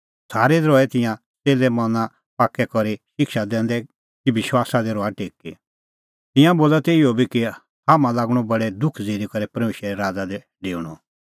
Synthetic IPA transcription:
saːɾɛd̪ɾɔɛt̪ɪ̃jã | t͡seːlɛmɔnã | paːkːɛkɔɾiʃɪkʰʃad̪ɛ̃ːn̆d̪ɛ | kiʋɪʃwaːsad̪ɛɾɔaʈeːkːḭ | t̪ɪ̃jãboːlat̪eɪjɔbiki | haːmãlaːɡɽ̃ɔbɐɽɛd̪ʊkʰd͡zeːɾikɐɾɛpɐɾmeːʃɛɾɛɾaːd͡zad̪ɛ | ɖeːɽ̃ɔ̰

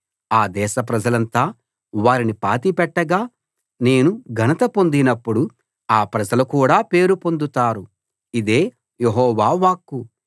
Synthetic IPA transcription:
aːd̪ɛːʃɐp̬ɾɐd͡ʒɐlɐnt̪aː | ʋaːɾinipa̰ːt̪ipɛʈːɐɡaː | ne̞ːnuɡʱɐnɐt̪ɐpo̞nd̪inɐpːuɽu | aːpɾɐd͡ʒɐlɐkuːɽaːpe̞ːɾupo̞nd̪ut̪aːɾu | id̪e̞ː | jeɦɔːʋaːʋaːkːu

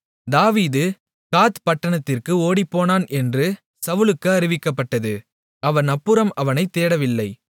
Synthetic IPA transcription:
d̪aːʋiːðɯ | kaːt̪pɐʈːɐɳɐt̪ːɪrkɯoːɽipːoːnaːnʔɛndrɯ | sɐʋɯɭɯkːɯɐɾɪʋɪkːɐpːɐʈːɐðɯ | ɐʋɐnɐpːɯɾɐmɐʋɐnɐɪt̪ːeːɽɐʋɪlːɐɪ

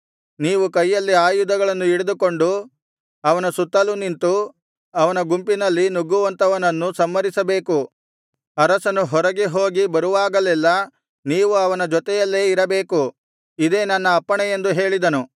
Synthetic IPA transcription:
niːʋukɐjːɐlːiaːjud̪ɐɡɐɭɐnːuiɽed̪uko̞ɳɖu | ɐʋɐnɐsut̪ːɐlunint̪u | ɐʋɐnɐɡumpinɐlːinuɡuʋɐnt̪ɐʋɐnɐnːusɐmːɐɾisɐbe̞ːku | ɐɾɐsɐnuɦɔɾɐɡeɦo̞ːɡibɐɾuʋaːɡɐlɛlːɐ | niːʋuɐʋɐnɐd͡ʒɔt̪ɛjɐlːe̞ːiɾɐbe̞ːku | id̪e̞ːnɐnːɐːpːɐɳɛjend̪uɦe̞ːɭid̪ɐnu

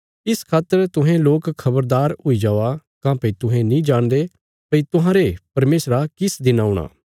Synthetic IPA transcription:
ɪskʰaːt̪ːəɾt̪ʊɦɛ̃loːkkʰːɐbəɾd̪aːɾʊid͡ʒaːakãːpɐit̪ʊɦẽnĩːd͡ʒãːnd̪e | pɐit̪ʊɦãːɾepɐɾmeːsɾakɪsd̪ɪnaːʊɽ̃a̰ː

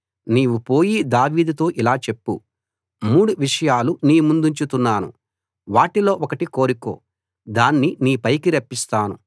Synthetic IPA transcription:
niːʋupo̞ːjid̪aːʋiːd̪ut̪o̞ːʔilaːt͡ʃe̞pːṵ | muːɽuʋiʂɐjaːluniːmund̪uɲt͡ʃut̪unːaːnṵ | ʋaːʈilo̞ːʔɔkɐʈiko̞ːɾiko̞̰ː | d̪aːnːiniːpɐjkiɾɐpːist̪aːnṵ

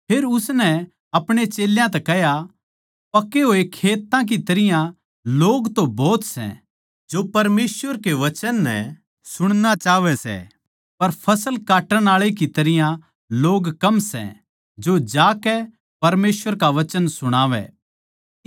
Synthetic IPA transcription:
pʰeːɾʊsnɛ | ɐpɽ̃et͡ʃeːljãt̪ɛkɛɦja | pɐkːeɦoːekʰeːt̪ãk̬it̪ɐɾɪjã | loːɡt̪õbɔːt̪sɛ̰̃ | d͡ʒopɐɾmeːsʋəɾkeʋɐt͡ʃənːɛ̰ | sʊɽ̃nat͡ʃaːʋɛsɛ̰ | pɐɾpʰɐsəlkaːʈəɽ̃aːɭekit̪ɐɾɪjã | loːɡkɐmsɛ̰̃ | d͡ʒod͡ʒaːkɛ | pɐɾmeːsʋəɾkaʋɐt͡ʃənsʊɽ̃aːʋɛ̰

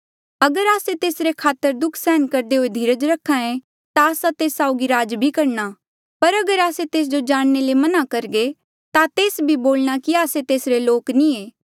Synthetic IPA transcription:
ɐɡəɾaːset̪eːsɾekʰaːt̪əɾd̪ʊkʰsɛːnkɐɾd̪eɦoːed̪ʱiːɾəd͡ʒɾɐkʰːãẽ | t̪aːsat̪eːsaːʊɡiɾaːd͡ʒbʱikɐɾña | pɐɾɐɡəɾaːset̪eːs̬d͡ʒod͡ʒaːɽ̃nelemɐnakɐɾɡe | t̪at̪eːsbʱiboːlɽ̃akiaːset̪eːsɾeloːknĩeː

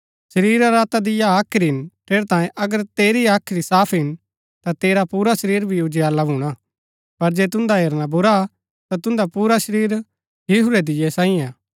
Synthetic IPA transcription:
sɐɾiːɾaɾaːt̪ad̪ɪjaaːkʰɾiɦɪnt̪ʰeːɾt̪ãːjẽʔɐɡəɾt̪eːɾiaːkʰɾisaːpʰɦɪn | t̪at̪eːɾapuːɾaʃɐɾiːɾbʱiʊd͡ʒeaːlabʱuɽ̃a | pɐɾd͡ʒeːt̪̬ʊ̃nd̪aɦeːɾnabʊɾa | t̪at̪ʊ̃nd̪apuːɾaʃəɾiːɾ | jɪɦuɾɛd̪ɪjɛsãːĩaː

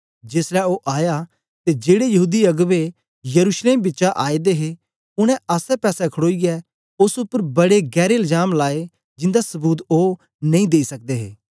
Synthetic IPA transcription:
d͡ʒeːslɛoːʔaːja | t̪ed͡ʒeːɽejɐɦuːd̪iɐɡʋe | jɐɾuːsleːmbɪtːt͡ʃaʔaːed̪eɦe | ʊɽ̃ɛ̃aːsɛpɛːsɛkʰəɽoːiɡɛ | ʊsʊpːəɾbɐɽeɡɛːɾeɪld͡ʒaːmlaːe | d͡ʒɪ̃nd̪asɐbuːt̪oː | nɐ̃ĩd̪eːisɐk̚d̪eɦḛː

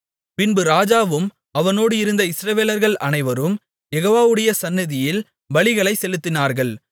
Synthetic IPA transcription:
pɪnbɯɾaːd͡ʒaːʋɯm | ɐʋɐnoːɽɯɪɾɯnd̪ɐɪsɾɐʋeːlɐɾɣɐɭʔɐnɐɪʋɐɾɯm | jɛɣoːʋaːʋɯɽɐjɐsɐnːɐðɪjɪl | ʋɐɭɪɣɐɭɐɪsɛlɯt̪ːɪnaːɾɣɐɭ

